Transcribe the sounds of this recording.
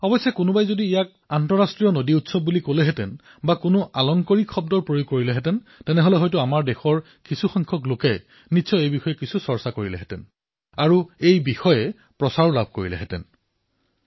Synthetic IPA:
ɔbɔjsːɛkʊnʊbajzodiːjak̚antɔɹastɹijɔnodiutsɔb̚ːulikolɛɦɛtɛn | bakʊnʊʔalɔŋkɔɹikxɔbdɔɹpɹojuɡ̚kːoɹilɛɦɛtɛn | tɛnɛɦɔlɛɦɔjtʊamaɹdexɔɹ | kisuxɔŋkʰɔklokɛ | nitsʰɔejbixɔjɛkisusɔɹsakoɹilɛ̰ɦɛtɛ̰n | aɹuejbixɔjɛ | pɹɔsaɹlab̚ʱko̰ɹilɛ̰ɦɛtɛ̰n

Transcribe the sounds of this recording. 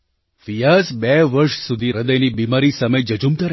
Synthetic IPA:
ʋijasbeʋəɾʃsud̪ʱiɾəd̪əjnibimaɾisaməjd͡ʒəd͡ʒumt̪əɾ

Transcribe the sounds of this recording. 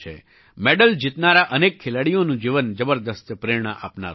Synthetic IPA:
ḛ | meɖəld͡ʒit̪naɾaʔənekʰːelaɽijonũd͡ʒiʋənd͡ʒəbəɾd̪əst̪pɾeɾɳ̃əʔa̰pna̰ɾ

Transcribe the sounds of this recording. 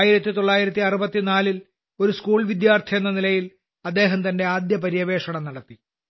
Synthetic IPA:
jiɾɐt̪ːit̪o̞ɭːaːjiɾɐt̪ːiɐrubɐt̪ːinaːlil | o̞ɾuskuːɭʋid̪jaːrt̪ʰienːɐnilɐjil | ɐd̪ːe̞ːɦɐmt̪ɐnde̞aːd̪jɐpɐɾijɐʋe̞ːʂɐɳɐmnɐɽɐt̪ːi

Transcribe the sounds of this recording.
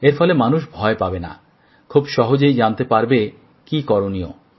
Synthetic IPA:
eɾfɔlemanuʃbʱɔepabena̰ | kʰubʃɔɦod͡ʑejd͡ʑant̪epaɾbe | kikɔɾonio̰

